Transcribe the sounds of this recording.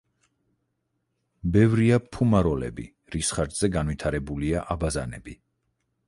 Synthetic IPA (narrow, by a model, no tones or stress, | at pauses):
bɛvɾiapʰumaɾɔlɛ̰bḭ | ɾisχaɾd̪z̥ɛɡanvit̪ʰaɾɛbuliaʔabazanɛ̰bi